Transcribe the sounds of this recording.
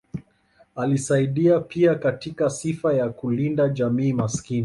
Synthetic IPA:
alisaiɗiapiakatikasifajakulindaʄamiːmaskini

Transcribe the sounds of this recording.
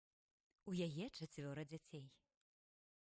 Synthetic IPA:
ujajɛt͡ʂat͡sʲvʲɔɾɐd͡zʲat͡sʲej

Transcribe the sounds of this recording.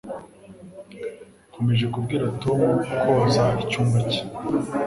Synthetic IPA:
kʰo̞meʒe̞kub̚ɡiːɾatomukʰozaicuːmbaci̥

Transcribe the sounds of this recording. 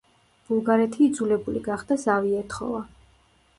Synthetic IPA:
b̥ulˠɡaɾɛt̪ʰiːd̪zulɛbulḭɡaχd̪̥azaviɛt̪ʰχɔ̰va

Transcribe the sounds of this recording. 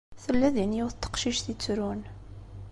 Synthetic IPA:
θəlːæðəniuθt̪ːə̥qʃiʃθit͡sːɾun

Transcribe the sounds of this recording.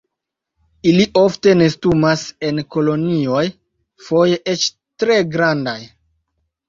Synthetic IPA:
iliʔofte̞ne̞stumase̞nko̞lo̞nio̞j | fo̞jeʔe̞t͡ʃ | tɾe̞ɡɾandaj

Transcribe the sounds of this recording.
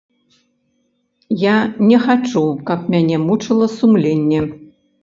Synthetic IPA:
janʲɛxat͡ʂukɐp̚mʲanʲɛmut͡ʂɨlˠɐsumlʲenʲːɛ

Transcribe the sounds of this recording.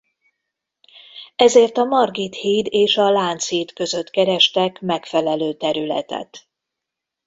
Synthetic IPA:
ɛzeːrt̪ɒmɒrɡit̪hiːd̪eːʃɒlaːnt̪siːt̪kø̞zø̞t̪kɛɾɛʃt̪ɛkmɛkfɛlɛløːt̪ɛɾylɛ̰t̪ɛ̰t̪

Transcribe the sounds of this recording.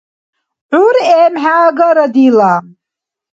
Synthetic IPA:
ʕuɾɛːmħaːɡɐɾɐd̪iːlaːm

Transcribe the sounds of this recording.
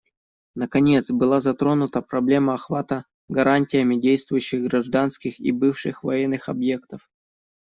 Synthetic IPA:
nəkɐnʲet̪sbɨlˠazɐt̪ɾo̞nʊt̪əpɾɐblʲe̞məɐxvat̪ə | ɡɐɾʔanʲtʲɪjəmʲɪdʲejst̪vʊjʉɕːɪɣɡɾɐʐd̪anskʲɪxḭbɨfʂɨxvɐjɛnːɨxɐbje̞kt̪əf

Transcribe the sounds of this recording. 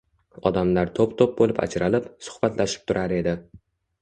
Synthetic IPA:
ɒ̰d̪amlaɾt̪ʰopt̪ʰop̚bolɪpa̰d͡ʒɾalɪpsʊ̥hb̥at̪laʃɪ̥p̚t̪ʰʊɾʔaɾe̞d̪ɪ

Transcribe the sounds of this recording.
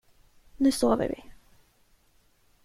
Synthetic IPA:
nʉ̟ːsoːvə̰ɾvɪ

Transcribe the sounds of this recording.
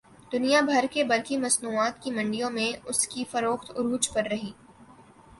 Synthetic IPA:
d̪̥ʊnijabʱɐɾkebɐɾkimɐsnuːaːt̪kimɐ̃ɳɖijõmẽʊskifɐɾoːxt̪ʊɾuːt͡ʃpɐɾːɐɦiː

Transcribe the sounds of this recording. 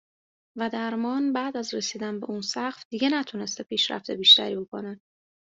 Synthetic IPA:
væd̪æɾmɒːnbæːd̪æzre̞siːd̪ænbe̞̰ʔuːnsæɢfd̪̥iːɟe̞næt̪ʰune̞st̪epʰiːʃɾæ̰ft̪ʰebiːʃt̪æ̰ɾiːbo̞kʰo̞ne

